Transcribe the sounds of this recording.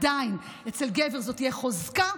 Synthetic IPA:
dain | et͡selɡeveʁzotijeχozka

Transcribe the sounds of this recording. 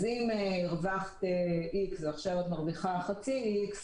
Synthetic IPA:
zimiʁvaχt̪eiksaχʃevet̪maʁviχaχat͡siiks

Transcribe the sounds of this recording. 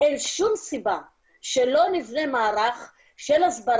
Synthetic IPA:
enʃumsiba | ʃelo̞nivnemaːɾaχ | ʃelasbaɾ

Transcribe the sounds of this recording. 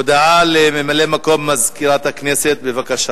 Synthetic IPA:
od̪aʕalememalemako̞mːazkiɾat̪hakneset̪̚bevakaʃa

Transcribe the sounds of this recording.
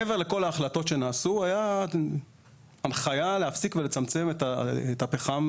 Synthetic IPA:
eve̞ʁle̞ko̞laːχlato̞tʃe̞naːsuaja | anχajaleafsikvelet͡samt͡se̞metaetapeχam

